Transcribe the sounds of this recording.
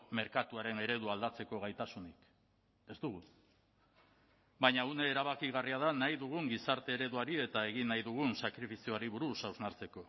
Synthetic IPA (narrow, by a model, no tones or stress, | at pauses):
me̞ɾkat̪uaɾe̞ne̞ɾe̞ðuald̪at͡se̞ko̞ɣ̞ajt̪asunik | e̞zt̪uɣ̞u | bajɲaune̞ːɾaβakiɣ̞ariaðanajðuɣ̞uŋɡisaɾt̪e̞ːɾe̞ðuaɾie̞t̪ae̞ɣ̞inːajðuɣ̞unsakɾifisio̞aɾiβuɾusawznaɾt͡se̞ko̞